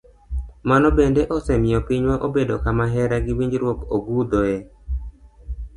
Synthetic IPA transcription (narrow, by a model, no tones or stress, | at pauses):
manɔbendeʔosɛmɪjɔpiɲwaʔobedokamaɦɛɾaɡɪwiɲd͡ʒɾwokoɡud̪oɛ